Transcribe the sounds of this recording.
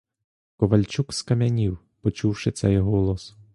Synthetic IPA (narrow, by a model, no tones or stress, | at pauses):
kɔʋɐlʲt͡ʃukskɐmʲɐnʲiw | pɔt͡ʃuwʃɪt̪sɛjɦɔlˠɔs